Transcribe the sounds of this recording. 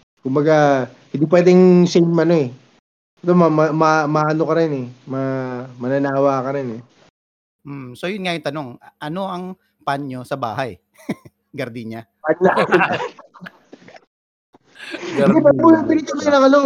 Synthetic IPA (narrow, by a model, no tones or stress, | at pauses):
kʊmbɐɡa | hɪ̃nd̪ip̬wɛːd̪ɛŋsɛjmɐno̞ɛ | ʔɛt̪omɐmɐmɐmɐʔɐnokɐɾɪnɛmɐmɐnɐnaːwaːkɐɾɪnɛ | m̩mso̞jʊnŋajʊŋt̪ɐno̞ŋʔɐno̞ʔɐŋ | panɲo̞sɐba̰ːɦɐj | ɡɐɾd̪iɲa | pɐla | ɪd̪ɛbɐt̪munɐp̪ɪiːt͡ʃoksanɐŋɐlno